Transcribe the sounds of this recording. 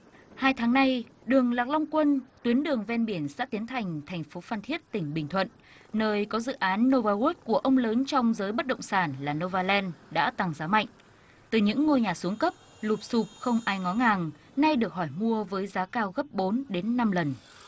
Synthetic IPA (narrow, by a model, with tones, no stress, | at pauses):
haː˧jt̪ʰaː˨˦ŋna˧jɗɨ˨˩əŋlaː˨˩k̚la˧wŋ͡mkwə˧nt̪wi˨˦ənɗɨ˨˩əŋvɛ˧nɓi˧˩ənsɛ̰ː˧˥t̪i˨˦ənt̪ʰa˨˩jŋ̟t̪ʰɛ˨˩jŋ̟fo˨˦fa˧nt̪ʰi˦˥ət̚t̪ï˧˩ŋ̟ɓï˨˩ŋ̟t̪ʰwə̰˧˨nː | əː˧jkɔ˨˦zɨ̰˧˨ʔaː˨˦nːo˧vaː˧ɣu˦˥t̚ku˧˩əʔə˧wŋ͡mləː˨˦nt͡ɕɔ˧wŋ͡mzəː˨˦jɓə˦˥t̚ɗə̰˧˨wŋ͡msaː˧˩nlaː˨˩no˧vaː˧lɛ˧nɗa̰ː˧˥t̪a˨˩ŋzaː˨˦ma̰˧˨jŋ̟ | t̪ɨ˨˩ɲɨ̰˧˥ŋːo˧jɲaː˨˩su˨˦əŋkə˦˥p̚ | lu˨˩p̚su˨˩p̚xə˧wŋ͡mʔaː˧jŋɔ˨˦ŋaː˨˩ŋ | na˧jɗɨ˨˩ək̚hɔ˧˩jmu˧əvəː˨˦jzaː˨˦kaː˧wɣə˦˥p̚ɓo˨˦nɗe˨˦nːa˧mlə˨˩n